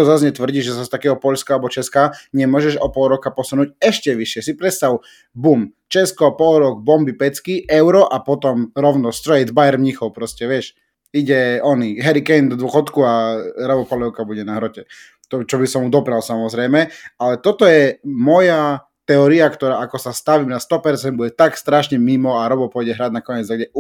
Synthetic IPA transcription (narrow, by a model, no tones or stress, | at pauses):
ɔzazɲɛt̪ʋr̩ɟiʒɛzast̪akɛːɦɔpɔʎskaalɛbɔt͡ʃɛskaːɲɛmʊɔʒɛʒɔpɔlˠɾɔkapɔsunuːcɛʃcɛʋiʃɪɛsipɾɛt̪st̪aʊ | bum | t͡ʃɛskɔpɔlˠɾɔɡ̚bɔmbipɛt͡skiɛʊɾɔʔapɔt̪ɔmɾɔʊnɔst̪ɾɛjd̪bajɛɾmɲixɔʊpɾɔscɛʋɪɛʃ | iɟɛɔniɦɛɾikɛnd̪ɔd̪ʊɔxɔt̪kuaɾɔbɔpɔlɛʊkabuɟɛnaɦɾɔcɛ | t̪ɔt͡ʃɔbisɔmud̪ɔpɾalsamɔzɾɛjmɛalɛt̪ɔt̪ɔjɛmɔja | t̪ɛɔɾiakt̪ɔɾaːakɔsast̪aʋimnast̪ɔpɛɾt͡sɛnd̪buɟɛt̪akst̪ɾaʃɲɛmimɔaɾɔbɔpʊɔjɟɛɦɾaɟnakɔɲɛd͡z̪aɡɟɛ